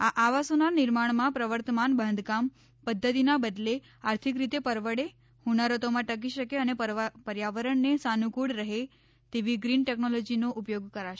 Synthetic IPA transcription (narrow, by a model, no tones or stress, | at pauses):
aʔaʋasonanɪɾmaɳ̃mãpɾəʋəɾt̪əmanbʱə̃nd̪kam | pəd̪ʱːət̪inabəd̪le | aɾt̪ʰik̬ɾit̪epəɾʋəɽe | hunaɾət̪omãʈək̬iʃəkeəneəpəɾjaʋəɾəɳnesanukuɽɾəɦe | t̪eʋiɡɾinʈɛknolɔd͡ʒinoʔupjoɡkəɾaʃe